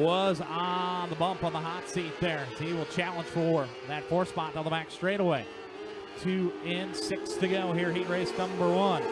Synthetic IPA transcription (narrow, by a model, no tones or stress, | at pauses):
wʌznðəbʌ̃mpn̩ðəɦɑtsit̪̚ðə˞iwɪlˠt͡ʃʰælˠə̃nʒ̥fə˞ | ðɨtfɔɹspɑɾ̚əðəbækstɹ̥eɪɾəweɪ | tʰʉɪ̃nsɪkstʰɨɡoʊhiɹɦit̚ɹeɪsnʌ̃mmbə˞wʌ̃n